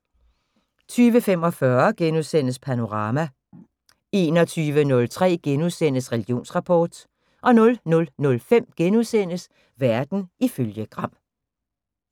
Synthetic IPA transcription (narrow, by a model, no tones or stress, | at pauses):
t͡sʰyːʋəfem̰ɒ̽fɶɐɡ̥enuðˠsen̰əspʰæno̝ʁɑ̈ːmæ | e̝ːnɒ̽t͡sʰyːʋənɔ̽lt͡sʰʁɛ̰ːɡ̥enuðˠsen̰əsʁɛliɡ̥jo̝̰ːnsʁɑ̈pʰɒːd̥ | ʔɒ̽nɔ̽lnɔ̽lnɔ̽lfem̰ɡ̥enuðˠsen̰əs | ʋæɐd̥n̩iføljəɡ̥ʁɑ̈m̰